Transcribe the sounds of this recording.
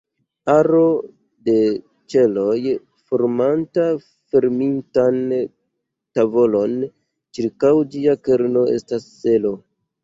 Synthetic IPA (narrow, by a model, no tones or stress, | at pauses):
aɾo̞ | de̞ | t͡ʃe̞lo̞j | foɾmanta | fe̞ɾmintan | tavo̞lo̞n | t͡ʃiɾkawd͡ʒiake̞ɾno̞e̞̰stasːe̞lo̞